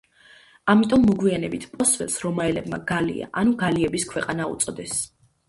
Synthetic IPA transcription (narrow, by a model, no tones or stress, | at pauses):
amit̪ʼɔmːɔɡwianɛbit̪ʰpʼɔsvɛlˠsɾɔmaɛlɛbma̰ɡalḭa̰ʔanuɡaliɛbiskʰwɛqʼanaṵt̪sʼɔd̪ɛs